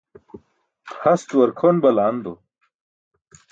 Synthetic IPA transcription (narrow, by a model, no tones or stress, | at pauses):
hɐst̪wɐɾkʰonbɐlaːnd̪o